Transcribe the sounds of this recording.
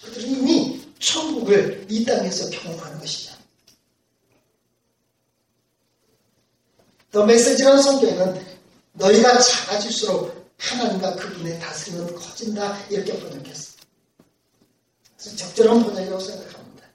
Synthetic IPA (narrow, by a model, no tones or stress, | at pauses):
ɯdɯɾiimit͡ɕʰʌŋɡuɡɯɭit͈aŋe̞sʰʌpʰjoŋwʌŋɦanɯnɡʌɕʰi̥da | nʌme̞ks͈e̞d͡ʑiɾanɯnsʰʌŋɡenɯnː | ʌiɡat͡ɕaɡad͡ʑiɭs͈uɾok̚pʰanɦanɯnɡakɯbune̞tasʰɯɾimɯnkʰʌd͡ʑindaiɾʌkʰeʌpʌnʌkes͈ʌ̥ | esʰʌt͡ɕʌk̚t͡ɕ͈ʌɾanpʌɲaɡiʌs͈ʰeŋɡakʰanida